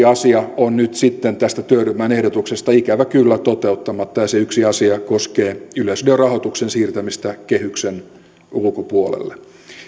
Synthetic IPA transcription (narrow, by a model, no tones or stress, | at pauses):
ɑsiɑonnyt̪sit̪ːent̪æst̪æt̪øyɾymːˑæːnehdot̪uksest̪ɑikæʋækylːæt̪ot̪eut̪ːɑmɑt̪ːɑjɑseyksiɑsiɑkoskeːylesyderɑhot̪uksensiːrt̪æmist̪ækehyksen | ulkopuolḛlːe